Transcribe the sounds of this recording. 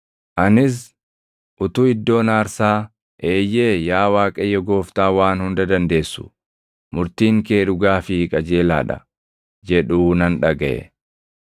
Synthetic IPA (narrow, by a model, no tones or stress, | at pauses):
ʔɐnɪs̬ | ʔʊt̪uːɪd̪ːo̞ːnaːɾsaː | ʔeːjːeːjaːwaːkʼɐjːɛɡo̞ːft̪aːwaːnhʊnd̪ɐd̪ɐnd̪e̞ːsːʊ̥̰ | mʊɾt̪iːŋke̞ːɾʊɡaːfɪkʼɐd͡ʒe̞ːla̰ːᶑɐ̰ | d͡ʒɛᶑuːnɐnᶑɐɡɐʔɛ̰